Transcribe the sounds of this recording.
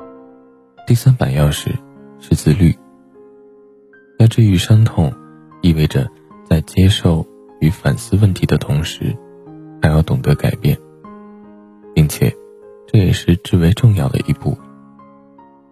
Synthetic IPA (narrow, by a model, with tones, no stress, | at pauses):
t̪i˥˩sa˥npa̰˨˩njɑ˥˧ʊʂɻ̩˥˩ | ʂɻ̩˥˧t͡sɹ̩˥˧ly̰˥˩ | t̪a˥˧ʈ͡ʂɻ̩˥˧˩y˨˩ʂa˥ŋt̪ʰʊ˨˩˦ŋ | i˥˧we˥˩ɪʈ͡ʂə̰˩ | t͡sa˥˩ɪt͡ɕjɛ˥ʂo˥˩ʊ | y˧˥fa˨˩nsɹ̩˥wə˥˩nt̪ʰi˧˥d̪ə˧t̪ʰʊ˧˥ŋʂɻ̩˧˥ | xʰa˧˥jɑ˥˩ʊt̪ʊ˨˩ŋt̪ɤ˧˥ka̰˨˩ɪpjɛ̰˥˩n | pi˥˩ŋt͡ɕʰjɛ̰˨˩ | ʈ͡ʂɤ˥˩jɛ̰˨˩ʂɻ̩˥˧ʈ͡ʂɻ̩˥˩we˧˥ɪʈ͡ʂʊ˥˧ŋjɑ˥˩ʊd̪ə̰˩ʔi˧˥pu˥˩